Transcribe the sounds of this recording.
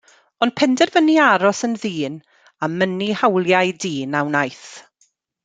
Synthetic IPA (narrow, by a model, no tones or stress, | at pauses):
ɔnd̚pʰɛndɛrvəniaɾɔsənðiːn | amənihawlˠjajdiːnawnajθ